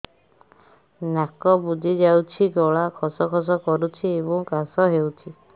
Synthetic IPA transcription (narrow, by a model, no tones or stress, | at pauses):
nakɔbud͡ʒʱid͡ʒawt͡ʃʰiɡɔɭakʰɔsɔkʰɔs̬ɔkɔɾut͡ʃʰiebɔŋkasɔɦewt͡ʃʰi